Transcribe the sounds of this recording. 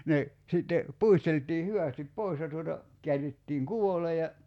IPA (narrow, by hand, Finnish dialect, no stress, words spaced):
ne sitːe puisteltˑiː hyʋæˑstip pois jɑ tuotɑ kiærˑitːiːŋ kuole jɑ